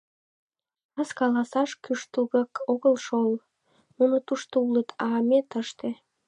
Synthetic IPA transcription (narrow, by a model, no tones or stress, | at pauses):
ɑskɑlɑsɑʃkyʃt̪ulɣɤkoɣəlʃol | nunot̪uʃt̪oulət̪ʰɑːmet̪əʃt̪ĕ